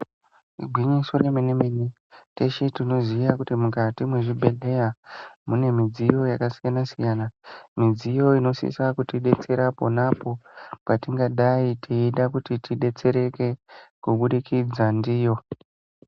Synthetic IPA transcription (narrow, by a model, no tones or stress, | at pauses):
iɡʱwiɲisoremenemene | te̞ʃetino̞zijakutimukatimwe̞ʐibʱe̞ɮe̞jamune̞mid͡zijo̞jakasijanasijanamid͡zijo̞ino̞sḭsakutiɗe̞t͡se̞ɾaponapo̞patiŋɡaɗaitʰiiɗakutitiɗe̞t͡se̞ɾe̞ke̞kuɓuɗikid͡zandiːjo̞